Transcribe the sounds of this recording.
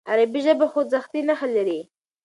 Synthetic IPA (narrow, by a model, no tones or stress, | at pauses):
aɾabiʒəbaxozaxt̪inaxalaɾi